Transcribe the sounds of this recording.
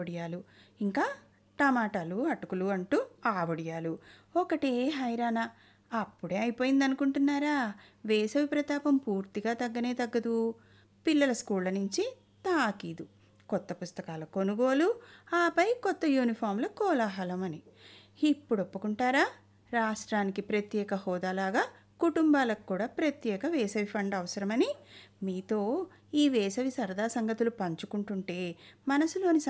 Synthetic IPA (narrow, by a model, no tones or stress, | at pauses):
ɐɽijaːlu | iŋkaː | ʈɐmaːʈaːluɐʈukuluɐɳʈuːaːʋɐɽijaːlu | ɔkɐʈeɦɐjɾaːnɐ | ɐpːuɽe̞ːɐjpoːjind̪ɐnukuɳʈunːaːɾaːʋeːsɐʋipɾɐt̪aːpɐmpuːɾt̪iɡaːt̪ɐɡːɐne̞ːt̪ɐɡːɐd̪u | pilːɐlɐskuːllɐnuɲt͡ʃi | t̪aːkiːd̪u | kɔt̪ːɐpust̪ɐkaːlɐko̞nuɡoːluaːpɐjkɔt̪ːɐjuːnipʰaːɾmlɐkɔːlaːɦɐlɐmɐni | ipːuɽopːukuɳʈaːɾaː | ɾaːʂʈɾaːnikipɾɐt̪jɛːkɐhɔːd̪aːlaːɡaː | kuʈumbaːlɐkkːuːɽaːpɾɐt̪jɛːkɐʋɛːsɐʋipʰɐɳɖɐʋɐsɐɾɐmɐnimiːt̪o̞ː | iːʋɛːsɐʋisɐɾd̪ʱaːsɐŋɡɐt̪ulupɐɲt͡ʃukuɳʈuɳʈe̞ːmɐnɐsulo̞ːnis